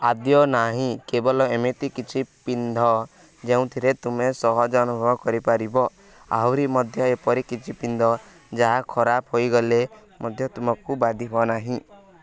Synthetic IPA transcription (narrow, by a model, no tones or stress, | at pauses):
ad̪jɔnaɦĩkebɔlɔemet̪ikit͡ʃʰipind̪ʱɔ | d͡ʒeũt̪ʰiɾet̪umesɔɦɔd͡ʒɔnubʱɔɔkɔɾipaɾibɔ | a̰wɾimɔd̪ʱjɔepɔɾikit͡ʃʰipind̪ʱɔ | d͡ʒaɦakʰɔɾapɦojɡɔle | mɔd̪ʱjɔt̪umɔkubad̪ʱibɔnaɦĩ